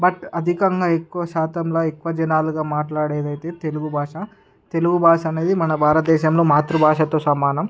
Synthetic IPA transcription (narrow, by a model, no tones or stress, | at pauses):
bɐʈɐd̪ʱikɐŋɡaːekːuʋɐʃaːt̪ɐmloːekːuʋɐd͡ʒɐnaːluɡaːmaːʈlaːɽeːd̪ɐjit̪e̞ːt̪e̞luɡubʱaːʂɐ | t̪e̞luɡubʱaːʂɐɐːne̞ːd̪imɐnɐbʱaːɾɐt̪̚d̪ɛːʃɐmloːmaːt̪ɾubʱaːʂɐt̪oːsɐmaːnɐm